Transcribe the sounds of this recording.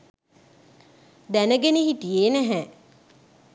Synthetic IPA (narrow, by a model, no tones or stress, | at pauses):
d̪ænəɡeniɦit̪ijeːnæɦɛ